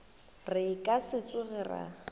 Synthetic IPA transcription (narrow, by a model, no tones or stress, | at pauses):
rɪkʼasɪt͡sʼʊɣɛra̰